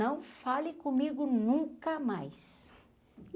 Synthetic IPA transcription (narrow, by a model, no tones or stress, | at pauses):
ɐ̃w̃falɪ̃kõmiɡʊnũkɐmajs